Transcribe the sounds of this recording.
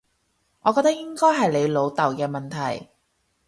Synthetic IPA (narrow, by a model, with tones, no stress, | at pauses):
ŋɔː˨˧kɔː˧k̚t̪ɐ˥k̚jɪ˥ŋkɔː˥jɦɐ˨jle˨˧jlo˨˧wt̪ɐ˨˩wkɛː˧mɐ˨nt̪ʰɐ˨˩j